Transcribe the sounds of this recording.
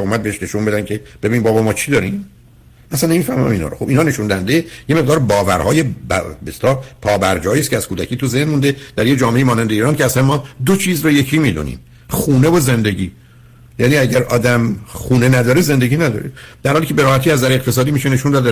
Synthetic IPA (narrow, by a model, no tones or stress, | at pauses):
omæd̪̚beeʃne̞ʃunbe̞d̪ænkʰeb̥e̞binmbɒːbɒmɒːt͡ʃʰid̪ɒːɾiːm | ʔæsænːemiːfæɾmæ̰miːnɒ̰ɾoxobinɒːne̞ʃund̪æænd̪ejeme̞ɣd̪ɒːɾbɒːvæɾhɒːjebbeslɒːpʰɒːbæɾd͡ʒɒːjiːstcʰeæz̥kʰuːd̪æcʰiːt̪ʰuzehnmund̪ed̪̥æɾjed͡ʒɒːmeʔejimɒːnænd̪eiːɾɒːncʰeæsænmɒːd̪ot͡ʃʰiːzɾoje̞cʰiːmiːd̪ṵnḭːm | xuːne̞voze̞nd̪e̞ɟiː | jæːniæɟæɾʔɒːd̪æmχuːnenæd̪ɒːɾezend̪e̞ɟʲiːnæd̪ɒ̰ːɾed̪̥æɾhɒliːcʰe̞beɾɒːhæt̪iːæzd̪æɾeqt̪ʰe̞s̬ɒːd̪iːmiːʃene̞ʃund̪ɒːd̪e